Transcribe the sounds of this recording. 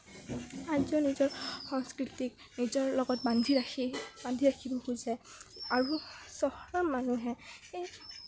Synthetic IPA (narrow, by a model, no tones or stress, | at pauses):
aziɔnizɔɹxɔŋskɹitik | nizɔɹlɔɡɔt̚bandʱiaibandʱiɹakʰibɔkuzɛ | aɹusɔhɹamːanuɦɛxej